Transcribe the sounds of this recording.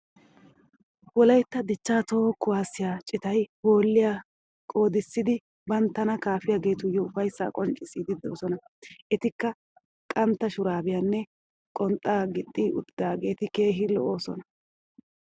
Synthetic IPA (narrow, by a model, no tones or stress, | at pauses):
wɔlɐjt̪ːɐd̪ɪt͡ʃːaːt̪oːkːʊwaːsɪjaːt͡ʃʼɪt̪ɐjho̞ːlːɪjaː | kʼo̞ːd̪ɪsːɪd̪ɪ | bɐnt̪ːɐnɐkaːfɪjaːɡe̞ːt̪ʊjːɔʊfɐjsːa̰ːkʼɔnt͡ʃʼɪsiːd̪ɪd̪o̰ːsɔnɐ | ʔɛt̪ɪkːɐ | kʼɐnt̪ːɐʃʊɾaːbɪjanːɛ | kʼɔnt̪ʼːaːɡɪt̪ʼːiːʔʊ̰t̪ːɪd̪aːɡe̞ːt̪ɪke̞ːɦɪlɔ̰ʔoːsɔ̰nɐ